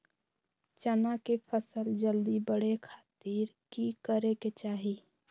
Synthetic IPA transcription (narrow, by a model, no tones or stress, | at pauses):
t͡ʃənakepʰəsəld͡ʒəld̪ibəɽekʰaːt̪iːɾ | kikəɾeket͡ʃaːɦi